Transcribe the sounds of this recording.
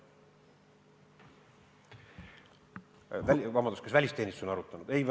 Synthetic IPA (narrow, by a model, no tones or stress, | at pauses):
vævɑmɑnd̪uskesvælʲist̪e̞nʲist̪usonɑɾut̪ːˑɑnud̪̥e̞jv